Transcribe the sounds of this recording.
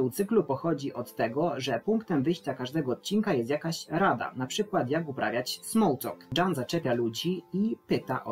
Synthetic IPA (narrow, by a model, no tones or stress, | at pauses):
uwt̪sɘklupɔxɔd͡ʑiʔɔt̪ːɛɡɔʐɛpuŋkt̪ɛmvɘjɕt͡ɕakaʐd̪ɛɡɔːt̪̚t͡ɕinkajɛst̪jakaɕɾad̪a̰napʂɘkwat̪jaɡupɾʔa̰vʲjat͡ɕsmɔwt̪ɔ̰kdanzat͡ʂɛpʲjalud͡ʑiipɘt̪a̰ʔɔ